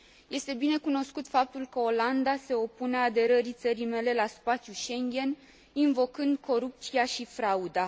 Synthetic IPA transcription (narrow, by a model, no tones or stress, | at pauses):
je̞st̪e̞bine̞kuno̞skut̪fap̚t̪ulkəo̞land̪ase̞o̞pune̞ad̪e̞ɾəɾit̪səɾime̞le̞laspat̪sʲjuʃe̞ŋɡʲe̞n | invo̞kɨnd̪̚kʰo̞ɾup̚t̪siaʃifɾaud̪a